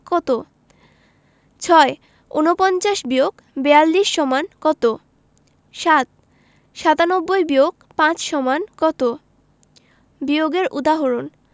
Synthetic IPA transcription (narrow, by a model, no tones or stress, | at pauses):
kɔt̪o | t͡ɕʰɔe | ṵnopɔnt͡ɕaʃbijoɡ | bɛalːiʃːɔmankɔt̪o | ʃat̪̚ | ʃat̪anɔbːojbijoɡ | pãt͡ɕʃɔmankɔt̪o | bijoɡeɾʔṵd̪aɦoɾon